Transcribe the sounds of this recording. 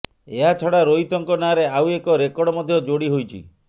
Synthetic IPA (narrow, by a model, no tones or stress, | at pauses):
eɦat͡ʃʰɔɽaɾoit̪ɔŋkɔnaɾeawekɔɾekɔɽɔmɔd̪ʱjɔd͡ʒoɽiɦojt͡ʃʰḭ